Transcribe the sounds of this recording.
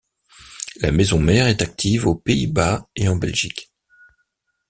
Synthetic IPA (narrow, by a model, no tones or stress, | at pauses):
la̰mɛzɔ̃mɛʁɛt̪ak̚t̪ʰivopeibaeɑ̃bɛlʒik